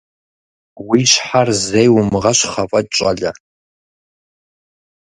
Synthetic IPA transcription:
wiʃħarzejwʊmɨʁɐʃʷχapʼɐt͡ʃʷʼaɮa

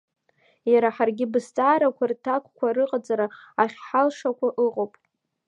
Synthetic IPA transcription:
jaɾaħarɡʲɪbɨst͡sʼaːɾakʷʰartʰakʷʰʼkʷʰarɨqʼad͡zaɾaaχʲħalʂakʷʰaʔɨqʼopʼ

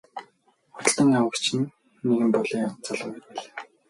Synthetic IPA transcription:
ʊt̪̆ɮt̪ə̆ŋawə̆kt͡ɕʰɪ̆nː | eɣɘ̆mpɔɮeːt͡saɮə̆ːɡit̪peɮaː

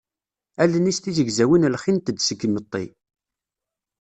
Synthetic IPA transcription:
ælənist̪izəɡzæwinlχint̪əd̪səɡəmət̪ˤːḭ

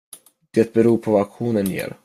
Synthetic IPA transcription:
d̪̥ɛːt̪̚bɛɾuːɾpʰɔvaakɧuːnənjḛːɾ

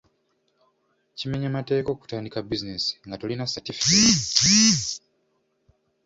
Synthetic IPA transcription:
cime̞ɲamate̞ːko̞ːku̥taːndikabizinesi̥ŋɡatolinasatifii

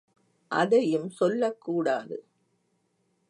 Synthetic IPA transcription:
ʔɐðɐjɯmsɔlːɐkːuːɽaːðɯ

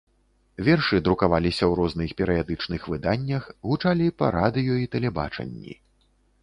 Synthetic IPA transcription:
vʲɛrʂɨd̪ɾukavalʲisʲɐwɾɔznɨxpʲɛɾɨjad̪ɨt͡ʂnɨxvɨd̪anʲːɐxɣut͡ʂalʲipɐ̰ɾad̪ɨjuit̪ɛlʲɛba̰t͡ʂɐ̰nʲːḭ

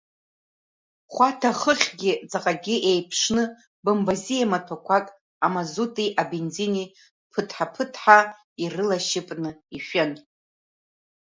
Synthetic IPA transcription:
χʷatʰaχəχʲɡʲɪt͡sʼaqʼaɡʲiʔejpʰʂnɨ | bambazijamatʰokʷʰakʼ | amazutʼiʔabend͡zini | pʰɨtʰħapʰɨtʰħa | irɨlaʃɪpʼnɨiʃʷᶣan

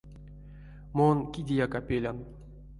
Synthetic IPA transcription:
monkʲidʲijakapʲelʲan

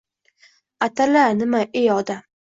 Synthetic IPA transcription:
at̪ʰalanɪmaʔejɒd̪a

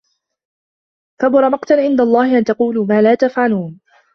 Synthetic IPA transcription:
kabʊɾˤɑmɑqt̪anʕɪnd̪alˤːɑːhɪʔant̪ɑquːluːmaːlaːt̪afʕaluːn

